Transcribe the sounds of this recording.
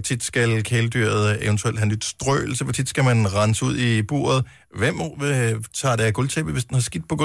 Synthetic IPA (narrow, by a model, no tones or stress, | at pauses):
t͡sʰid̥sɡ̥ælkʰeləd̥y̰ɐ̰ð̞̩ˠeʋənt͡sʰueld̥ɦænyd̥sd̥ʁœ̰ːl̩səpʰɒ̽t͡sʰid̥sɡ̥æmænʁɑ̈nəsəuð̰ˠib̥o̝̰ːɐðˠ | ʋem̰ | t͡sʰɑ̰̈ːdæɐɡ̥ɔlt͡sʰeb̥ð̩ˠʋesd̥enhɑsɡ̥id̥̚pʰɒ̽ɡ̥